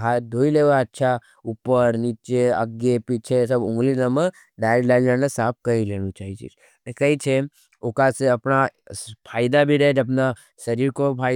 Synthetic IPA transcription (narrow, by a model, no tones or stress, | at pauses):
ɦad̪ʱoːileʋaətːʃʰa | upəɾnit͡ʃeə̰ɡjepit͡ʃʰesəbʊ̃ŋɡlinəmə | ɖaːjəɾlaːɪnd͡ʒənasaːp̚ʰkəileːɽ̃ũt͡ʃaːɦit͡ʃḭt͡ʃ | nekəit͡ʃʰe | okaseɐpnapʰaːjd̪abʱiɾəɦed͡ʒɐp̬na | sɐɾiːɾkopʰa